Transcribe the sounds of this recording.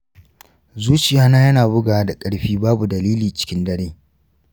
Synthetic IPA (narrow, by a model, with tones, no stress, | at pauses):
zuː˦t͡ʃɪ˨jaː˦naː˦jɐ˦naː˨bʊ˦ɡaː˨wa˦da˨kʼɐ˦ɽɸiː˦baː˦bu˨dɐ˨liː˦liː˨t͡ʃɪ̥˦kʲɪ˦ndɐ˦ɽeː˦